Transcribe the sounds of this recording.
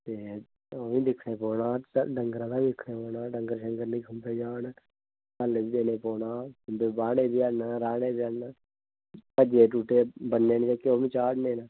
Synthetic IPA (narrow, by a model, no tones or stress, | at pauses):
t̪eː | oːʋĩːd̪ɪkʰnẽːpɔːnãːɖəŋɡɾãːd̪aːdɪkʰɽẽːpoːnãːɖəŋɡəɾʃəŋɡəɾnĩːkʰʊmbeːd͡ʒaːn | kəlid̪eːneːpɔːnaːkʊmbeːbaːɽeːbɪanaɾaːɽeːbjana | pəd͡ʒeːʈ̬uːʈeːbənːeːnĩtakoːmĩːt͡ʃaːɽnẽːnaː